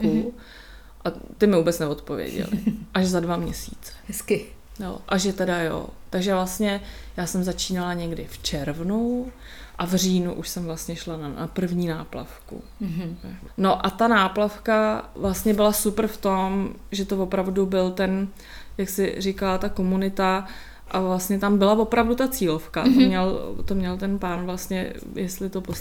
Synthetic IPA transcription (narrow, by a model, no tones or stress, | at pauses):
ku | ʔat̪ɪmɪvuːbɛt͡snɛvo̞t̪po̞vjɛ̰ɟɛ̰lɪ̰ʔaʃzadvamɲɛsḭːt͡sɛ̥hɛskɪ | jo̰ʔaʒɛt̪ɛdajo̰t̪aɡʒɛvlast̪ɲɛjaːsɛmzat͡ʃiːnalaɲɛɡdɪft͡ʃɛɾvnu | ʔavr̝iːnuʔuʃsɛmvlast̪ɲɛʃlanana̰pr̩vɲiːnaːpla̰fkṵ | no̞ʔat̪anaːplafkavlast̪ɲɛbɪlasupr̩ft̪o̞mʒɛt̪ovo̞pɾavdubɪlt̪ɛn | jaksɪrikalat̪ako̞munɪt̪a | ʔavlast̪ɲɛt̪ambɪlavo̞pɾavdut̪at͡siːlofkat̪omɲɛlt̪omɲɛlt̪ɛnpaːnvlast̪ɲɛ̰ | jɛst̪lɪt̪opo